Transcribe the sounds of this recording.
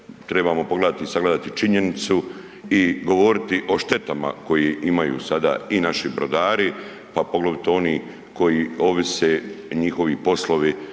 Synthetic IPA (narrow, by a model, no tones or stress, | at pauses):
t̪ɾebaːmo̞poɡled̪at̪isaɡled̪at̪it͡ʃiɲe̞nit̪su | iɡo̞ʋo̞ɾit̪iʔo̞ʃt̪e̞t̪ama̰ko̞jiʔimajṵːsad̪a̰ːinaʃibɾo̰d̪aːɾi | papo̞ɡloʋit̪o̞niː | ko̞jio̞ʋiseːɲixo̞ʋipo̞slˠo̞ʋi